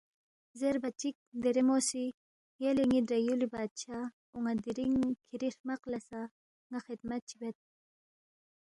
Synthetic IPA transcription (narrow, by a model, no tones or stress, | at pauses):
zeɾbɐt͡ʃik̚d̪eɾemosi | jaliŋidɾajulibaːt̪̚t͡ʃʰa | uŋad̪iɾiŋkʰiɾiɾmaqlɐsa | ŋaxid̪mɐt̪̚t͡ʃʰibet̪̚